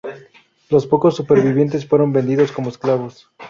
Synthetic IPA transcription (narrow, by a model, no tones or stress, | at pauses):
lo̞spo̞ko̞sːupe̞ɾβiβje̞nt̪e̞sfwe̞ɾo̞mbe̞nd̪iðo̞sko̞moesklaβo̞s